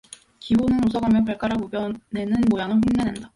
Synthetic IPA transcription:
kibonɯnosʰʌɡamjʌnpaɭk͈aɾaɡubjʌne̞nɯnmojanɯɸuŋnenenda

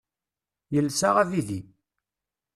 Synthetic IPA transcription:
jəlːsaʁæviði

